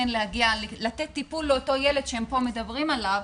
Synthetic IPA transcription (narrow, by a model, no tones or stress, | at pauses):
enlehaɡiallat̪et̪ːipulːeoto̞jeled̥̪ʃeempo̞me̞d̪abʁimalav